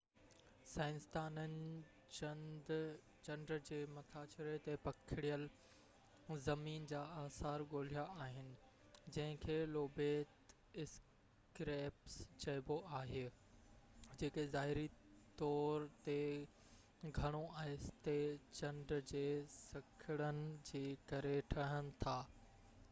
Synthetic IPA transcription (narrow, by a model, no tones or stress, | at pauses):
saːɪnst̪aːnənɪ̆ | d | t͡ɕɐ̃ɳɖɾd͡ʑeːmɐt̪ʰaːt͡ɕɪɾet̪epɐkʰɪɽijəl | zɐmiːnd͡ʑaːaːsaːɾɠoːl̤ijaaːɦɪnɪ̆ | d͡ʑɐ̃ɦɪ̃kʰeːloːbeːt̪ | ɪs | kɾeːpst͡ɕɐːɪboʔaːɦeː | d͡ʑeːkezaːɦɪɾit̪ɔːɾt̪e | ɡʱɐɽ̃oʔaːɦɪst̪et͡ɕɐ̃ɳɖɾd͡ʑeːsɐkʰɪɽənɪ̆d͡ʑeːkɐɾeʈʰɐɽ̤ənɪ̆t̪ʰaː